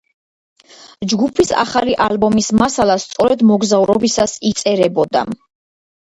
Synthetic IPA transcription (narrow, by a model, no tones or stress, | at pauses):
d͡ʒɡupʰisa̰χaliʔalbɔmismasalˠast̪sʼɔɾɛd̪mɔɡzavuɾɔbisasit̪sʼɛɾɛbɔd̪a̰